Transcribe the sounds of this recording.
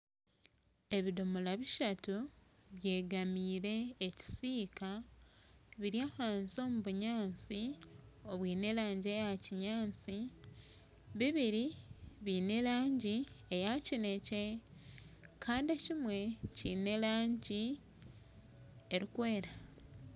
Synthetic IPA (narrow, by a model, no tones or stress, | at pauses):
e̞βidomolaβiʃatuβje̞ːɡamiːɾe̞ːci̥siːka | βiɾjaːhaːnzo̞ːmuβuɲaːnt͡sio̞βwiːne̞laːɲɟe̞jaciɲaːnt͡si | βiβiɾiβiːne̞laːɲɟiejacine̞ce̞ | kʰaːndecimwe̞ciːne̞laːɲɟi | eɾikwe̞ːɾa